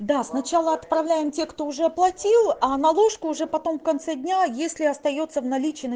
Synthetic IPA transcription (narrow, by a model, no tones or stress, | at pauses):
d̪asnɐt͡ɕalˠəɐt̪pɾɐvlʲæjɪmtʲe̞kt̪o̞ʊʐɛplˠɐtʲilˠanɐlˠo̞ʂkʊːʐɛpɐt̪o̞mfkɐnt̪sɛdʲnʲajesʲlʲɪɐst̪ɐjo̞t̪sːəvnɐlʲit͡ɕɪiːnə